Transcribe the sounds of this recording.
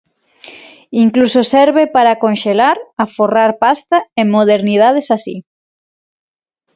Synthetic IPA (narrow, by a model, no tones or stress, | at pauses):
iŋklusosɛɾβepaɾakonʃelaɾɐforaɾpast̪aemoðeɾniðað̞esasḭ